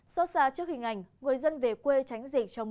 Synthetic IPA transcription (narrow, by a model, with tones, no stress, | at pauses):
sɔ˦˥t̚zaː˧t͡ɕɨ˦˥ək̚hï˨˩ŋ̟ʔa˨˧˩jŋ̟ŋɨ˨˩əjzə˧nve˨˩kwe˧t͡ɕa˨˦jŋ̟zi˨˩k̚t͡ɕɔ˧wŋ͡m